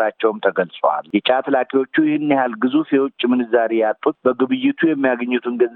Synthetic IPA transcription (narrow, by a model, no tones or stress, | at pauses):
ɾat͡ʃːɛwmt̪ʰəɡəlsʼwa̰ljɛt͡ʃʼat̪ʰlakʼewo̞t͡ʃːujɪhɨnːɪhalɡɨzufjɛwʊt͡ʃʼːmɨnɨzaɾejat̪ʼːut̪̚bəɡɨβɨjːɪt̪ʰujɛmːijaɡəɲːɪt̪ʰuŋɡə